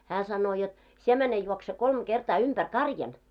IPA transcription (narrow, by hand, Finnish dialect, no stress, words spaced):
hæː sɑnːoː jot sie mæne juokse kolm ɡ̊ertɑː ympær kɑrjɑn